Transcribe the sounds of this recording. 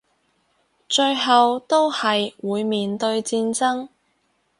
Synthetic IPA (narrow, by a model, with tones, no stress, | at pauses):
t͡ʃɵ˧ɥɦɐ˨wt̪o˥whɐ˨jwuː˨˧jmiː˨nt̪ɵ˧ɥt͡siː˧nt͡sɐ˥ŋ